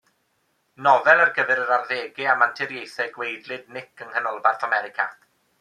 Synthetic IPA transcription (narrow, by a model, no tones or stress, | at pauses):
nɔvɛlˠarɡəvɛɾəɾarˠðeːɡɪamantʰɪɾjejθɛɡwejdlˠɨdnɪkəŋhənɔlˠbarθamɛɾɪkʰa̰